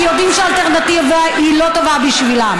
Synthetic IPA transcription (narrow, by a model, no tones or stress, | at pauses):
jod̪imʃealt̪eʁnat̪iv | ilo̞t̪ovabiʃvilam